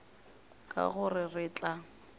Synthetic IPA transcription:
kʼa̰ɣʊrɪrɪt͡ɬa

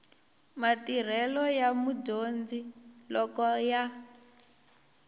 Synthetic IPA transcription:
matir̤ɛlɔjamudond͡zilɔkɔja

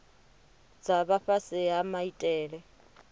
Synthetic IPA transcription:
d͡zaβaɸasɪamaitʼɛːɺɛ

